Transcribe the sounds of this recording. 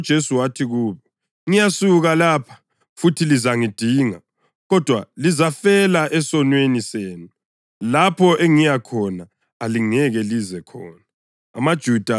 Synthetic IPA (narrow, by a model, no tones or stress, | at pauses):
d̥ʒ̥ʱesuwatʰiɣuːβɔ | ŋijasuɣalaːpʰḁ | futʰilizaŋid̥ʱiːŋa | ɣɔd̥ʱwalizafɛlaʔɛsɔnweniseːnu | lapʰɔʔɛŋijakʰɔnaː | liŋɛɣɛlizɛkʰɔːnaː | mad̥ʒ̥ʱud̥ʱa